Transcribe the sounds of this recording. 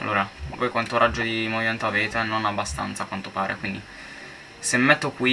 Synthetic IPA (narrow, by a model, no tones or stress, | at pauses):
a̰lʔo̰ːɾavojkwant̪oɾʔad͡ʒːod̪imovimɛnt̪oaveːt̪enonabːast̪a̰nt̪sakwant̪opaːɾḛkwind̪i | semːɛt̪ːokwi